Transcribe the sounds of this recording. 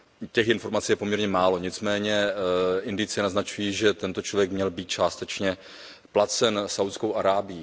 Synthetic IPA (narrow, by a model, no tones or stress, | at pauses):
cɛxɪnfo̞ɾmat͡sijɛpomɲɛɾɲɛmaːlo̞ɲɪt͡smɛːɲɛʔɪndɪt͡sɪnaznat͡ʃujiːʒɛt̪ɛnt̪o̞t͡ʃlovjɛkmɲɛlbiːt̪̚t͡ʃaːst̪ɛt͡ʃɲɛ | plat͡sɛnsawt̪skowʔaɾaːbɪji